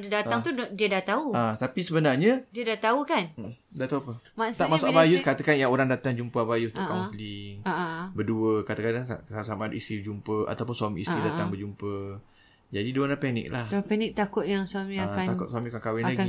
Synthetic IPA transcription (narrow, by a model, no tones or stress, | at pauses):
dadat̪aŋt̪udiədaht̪auat̪apisəbənarɲadiədaht̪aukandat̪auapəmat̪akmasʊkabajʊkat̪akanjaoɾaŋdat̪aŋd͡ʒumpəabajut̪kaliŋaʔbəduəkat̪akanaasasamadist̪ibəd͡ʒumpəʔa̰t̪awpʊnswamḭisɾidaaŋbəd͡ʒumpə | d͡ʒadiduanapɛnɪ̰k̚lahpɛnɪk̚t̪akʊt̪̚jaŋswamĩakanakʊt̪̚swamiakankawɛnlaɡi